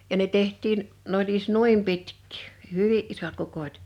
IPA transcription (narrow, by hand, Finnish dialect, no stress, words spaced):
jɑ ne tehtˑiːn n olʲ ies nuim pitkːi̥ː hẙʋiʔ ʔisot kukotʲ